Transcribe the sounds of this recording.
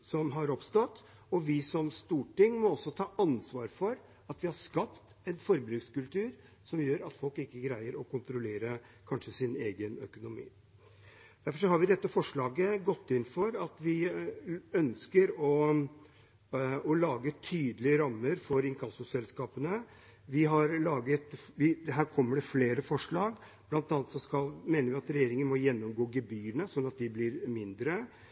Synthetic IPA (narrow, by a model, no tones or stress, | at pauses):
sɔmɦɑɾɔpst̪ɔt̪ː | ɔʋɪsɔmst̪uːʈɪŋːmɔɔsːɔt̪ʰɑːʔɑnsʋɑːɾfɔɾ | ɑt̪ʋɪhɑʂkɑpt̪ | ɛnfɔɾbɾʉːkskʉlt̪ʉːɾ | sɔmjøːɾɑt̪fɔlkɪkːəɡɾæɪəɾɔkʰʊnt̪ɾʊleːɾə | kʰɑnʂəsɪneːɡənœ̰kʊnʊmḭː | d̪æɾfɔʂ̬ɔhɑɾʋɪd̪ɛt̪ːəfɔʂɭɑːɡəɡɔt̪ːɪnfɔɾɑt̪ʋɪ | œnskəɾɔ | ɔlɑːɡət̪ʰyːd̪əlɪəɾɑmːəɾfɔɾɪŋkʰɑsʊsɛlskɑːpənə | ʋɪɦɑɾlɑːɡət̪ʋɪɦæːɾkʰɔmːəɖɛfleːɾəfɔʂɭɑːɡ | b̥lɑnt̪ɑːnət̪sɔskɑlmeːnəɾʋɪɑt̪ɾɛjeːɾɪŋənmɔjɛnːɔmɡoːɡɛbyːənəsɔnːɑt̪̚d̪ɪblɪɾmɪnd̪ɾə